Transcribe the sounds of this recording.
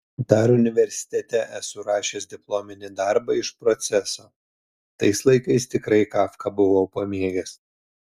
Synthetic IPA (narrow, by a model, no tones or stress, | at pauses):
d̪ɑɾʊnʲɪʋʲɛɾʲsʲɪ̥t̪ʲɛt̪ʲɛʔɛsʊɾɑːʃʲeːsd̪ʲɪplˠomʲɪnʲɪd̪ɑɾbɐɪʃpɾɔt̪sʲɛsoː | t̪ɐɪslˠɐɪkɐɪst̪ʲɪkɾɐɪkɑːfkɐbʊʋoːpoːmʲeːɡʲɛs